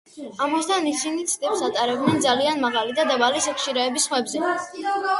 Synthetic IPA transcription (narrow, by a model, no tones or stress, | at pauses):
amast̪ʰanisinit̪sʰd̪ɛpsat̪ʼaɾɛbd̪nɛnd̪zalianmaʁalid̪ad̪abalisɛkʰʃiɾaɛbisχmɛbzɛ